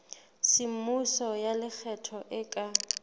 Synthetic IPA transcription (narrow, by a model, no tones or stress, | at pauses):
sim̩musɔjalɪk͡xʰɛtʰɔʔɪkʼa